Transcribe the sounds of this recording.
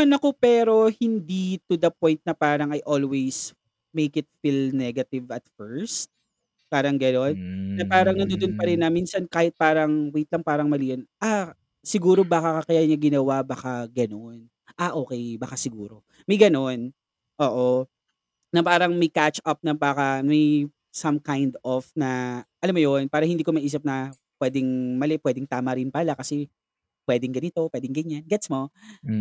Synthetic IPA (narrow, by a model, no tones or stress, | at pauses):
mɐnɐko̞pɛːɾo̞hɪnd̪it̪ud̪ɐp̚ojnt̪̚nɐpaːɾɐŋɐjʔolwejs | mejkɪt̪̚filnɛɡɐt̪ɪvɐt̪̚fɛɹst̪̚ | paːɾɐŋɡɐno̞nːɐpaːɾɐŋnɐnd̪ond̪ʊnpɐɾɪnːɐminsɐnkaːhɪt̪̚paːɾɐŋwejt̪lɐŋpaːɾɐŋmɐliːʔonʔa | sɪɡuːɾo̞baːkakɐkɐjaːɲɐɡɪnɐwabɐkaɡɐno̞n | ʔaʔo̞ːkɛjbɐkasɪɡuːɾo | mɐjɡɐno̞n | ʔoːʔo | nɐpaːɾɐŋmɐjkat͡ʃʔɐp̚nɐpaːkɐmɐj | sɐmkajnd̪ofnɐʔɐlamːojonpaːɾɐhɪnd̪iːkomɐʔiːs̬ɐp̚nɐ | pwɛːd̪ɪŋmɐlɛpwɛːd̪ɪŋt̪aːmɐɾɪnpɐlakɐsɛ | pwɛːd̪ɛŋɡɐnɪt̪o̞pwɛːd̪ɪŋɡɐɲːanɡɛt̪smo